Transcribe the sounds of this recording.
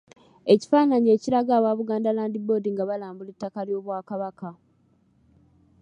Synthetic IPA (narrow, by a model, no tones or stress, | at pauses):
e̞ci̥faːnaɲe̞ːciɾaɡaːβaːβuɡaːndalaːndibo̞ːdiŋɡaβalaːmbuletːakaljo̞ːβwaːkaβaka